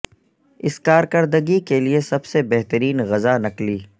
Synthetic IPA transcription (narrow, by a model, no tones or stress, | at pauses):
ɪskaːɾkɐɾd̪əɡikeliesɐbsebɛɦt̪əɾiːnɣɐzanɐkliː